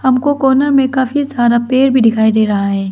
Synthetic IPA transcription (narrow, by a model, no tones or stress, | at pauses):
hɐmkokoːnəɾmẽkaːfisaːɾapeːɾbʱiɖɪkʰaːid̪eːɾɐɦaɦɛː